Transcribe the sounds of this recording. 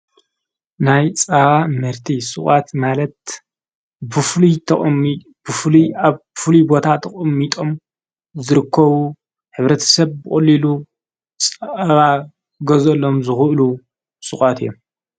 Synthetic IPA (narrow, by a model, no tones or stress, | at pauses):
najt͡sʼaβamɨɾt̪ʰisʼɨχʼat̪malɐt̪ | bɨflʰ | ɨfliaβfɨlibo̞t̪ʰat̪ʰɐχʼɨmːit̪ʼo̞m | zɨɾɨkʰːɐβu | ħɨβɾɐt̪ʰɐ̥sɐβbɨχʼɐlːilu | t͡sʼaβa | ɡɐzɐlːo̞mzɨxɨʔlu | sʼɨkʼat̪ijːom